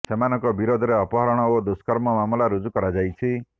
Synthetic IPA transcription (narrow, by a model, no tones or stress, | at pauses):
semanɔŋkɔbiɾod̪ʱɔɾeɔpɔɦɔɾɔɽ̃ɔod̪uskɔɾmɔmamulaɾud͡ʒukɔɾad͡ʒajt͡ʃʰi